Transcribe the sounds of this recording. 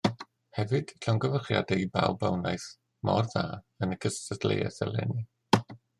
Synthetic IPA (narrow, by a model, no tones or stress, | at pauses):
hɛvɨd̥ɬɔŋɡəvəχja̰dɛibawbawnajθ | mɔrðaː | ənəkʰəstəθlḛjɛ̰sɛlɛ̰ni